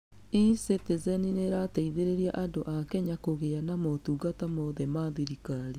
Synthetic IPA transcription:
isetezɛnineɾataiðeɾeɾiaʔandoʔakɛɲakoɣeanamɔtuːɡatamɔðɛmaðiɾikaɾe

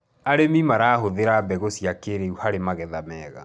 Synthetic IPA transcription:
aɾemimaɾaːhoðeɾabɛɣosiakeɾeuhaɾemaɣɛðamɛːɣa̰

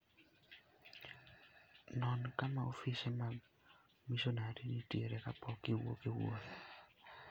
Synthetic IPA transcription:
nɔnkamaofisema | misonaɾiniteɾekapɔkɪwo̰kɪwo̰n

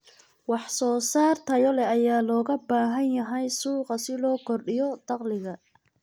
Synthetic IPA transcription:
wɑħsɔːsaːrt̪ʰɐjɔlɛɐjaːlɔːɣɐbaːɦɐnjɐɦɛjsuːqɑsɪlɔːkʰɔrɗɪjɔd̪̥ɑqlɪɣɐ

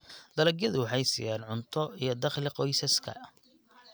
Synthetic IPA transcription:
d̪̥ɐlɐɡjɐðʊwɑħɑjsḭjaːnʕʊnt̪ʰɔijɞd̪ɑχlɪqɔjsɐskʰɐ̰

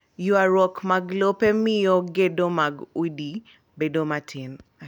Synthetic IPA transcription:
jʊaɾwɔkmaɡlopemɪjoɡedomaɡudi | bedomatʰɪn

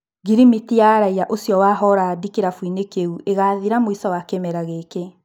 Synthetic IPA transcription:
ɡiɾimitijaɾaijaʔosjɔwaɦɔɾaːdikeɾafwinekeuʔeɣaːðiɾamoisɔwakemɛɾaɣeke

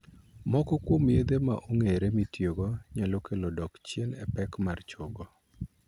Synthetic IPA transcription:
mɔkɔkwomjed̪ema̰ʔuŋeɾemitjoɡɔɲalɔkelɔdɔkt͡ʃjenɛpɛkmart͡ʃoɡɔ

